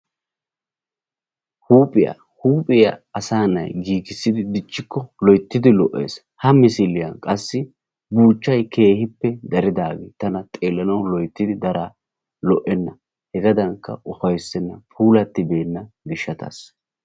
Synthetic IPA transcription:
huːpʼɪja̰ | huːpʼɪjɐɐsaːnɐ̰jɡiːkɪsːɪd̪ɪd̪ɪt͡ʃʼːɪkːɔlɔjt̪ːɪd̪ɪlɔʔːḛːs | hɐmɪsɪlɪjɐnkʼɐsːɪ | buːt͡ʃːɐjkʰe̞ːhɪpːɛd̪ɐɾɪd̪aːɡḛːt̪ɐnɐt̪ʼe̞ːlːɐnɐwlɔjt̪ːɪd̪ɪd̪ɐɾa | lɔʔɛnːɐ | hɛɡɐd̪ɐŋkːɐ̰ʊfɐjsːɛnːɐpʰuːlɐt̪ːɪbe̞ːnːɐɡɪʃːɐt̪ʰɐ̰s

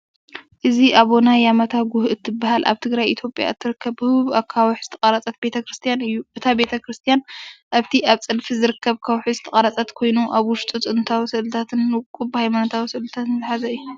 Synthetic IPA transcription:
ʔɨziʔaβonajamɐt̪ʰaɡuhɨt̪ʰːɨbːaɦalʔa̰βt̪ʰɨɡɾajʔit̪ʰjo̞pʼja̰ɨt̪ʰːɨɾɨkʰːɐβbɨhɨβakʰːawħz̥ɨt̪ʰɐkʼɐɾat͡sʼɐt̪̚be̞t̪ʰɐkɾɨst̪ʰijanɨjːuʔɨt̪ʰabe̞t̪ʰɐkɾɨst̪ʰijanʔaβt̪ʰiʔaβt͡sʼɨlfizɨɾɨkʰːɐβkʰawħizɨt̪ʰɐχʼɐɾat͡sʼɐt̪kʰo̞jnuʔaβwʊʃt̪ʼut͡sʼɨnt̪ʰawisɨʔlɨt̪ʰat̪ʰɨnːkʼubhajmanɐt̪ʰawisɨʔlɨt̪ʰat̪nzɨħazɐɨjːu

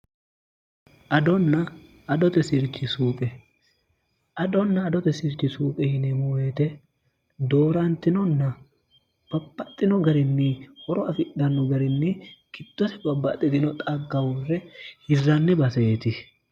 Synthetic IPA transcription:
ʔɐd̪ɔnːɐː | d̪ɔt̪ɛsɪɾt͡ʃːɪsuːpʼɛ | ɐd̪ɔnːɐːd̪ɔt̪ɛsɪɾt͡ʃːɪsuːpʼɛhɪnɛmowet̪ɛ | d̪o̞ːɾɐnt̪ːɪnɔnːɐ | b̥ɐb̥ːɐt̪ʼːɪnɔɡɐɾɪnːɪhɔɾɔɐfɪᶑɐnːɔɡɐɾɪnːɪkɪd̪̥ːɔt̪ɛbɐbːɐ̰t̪ʼːɪd̪ɪnɔt̪ʼɐɡːɐwɔrːɛhɪzɐnːɛbɐset̪ɪ

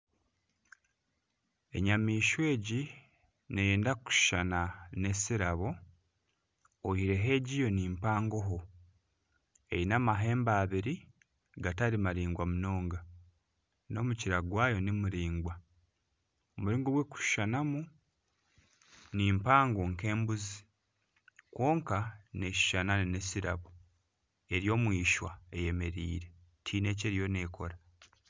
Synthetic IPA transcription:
e̞̰ɲamiːʃwe̞ːɟi | nejeːndaku̥ʃu̥ʃanane̞siɾaβo̞ | ohiɾe̞ɦe̞ːɟijo̞niːmpaːŋɡo̞ɦo̞ | e̞jinamaɦe̞ːmbaːβiɾi | ɡataɾimaɾiːŋɡwamuno̞ːŋɡa | no̞muciɾaɡwaːjo̞nimuɾiːŋɡwa | omuɾiːŋɡoβweku̥ʃʃanamu | niːmpaːŋɡoŋke̞ːmbuzi | kwo̞ːŋkane̞ʃi̥ʃananine̞siɾa̰βu | e̞ɾjo̞ːmwiːʃwaeje̞me̞ɾḭːɾe̞ | tʰiːne̞ːceɾijo̞ne̞ːkʰo̞ɾa

